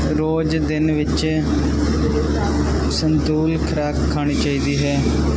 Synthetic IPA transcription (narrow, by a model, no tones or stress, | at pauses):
ɾoːd͡ʒd̪ɪnʋɪt͡ʃ | sənd̪uːlkʰɾaːkʰːaːɽ̃iːt͡ʃaːiːd̪iːɦɛː